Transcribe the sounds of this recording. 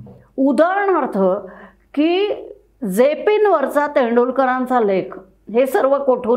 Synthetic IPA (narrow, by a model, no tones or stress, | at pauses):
ud̪aɾəɳəɾt̪ʰə | kiː | d͡zepiːnʋəɾt͡sat̪eɳɖulkəɾãnt͡salekʰ | ɦesəɾʋəkoʈʰuː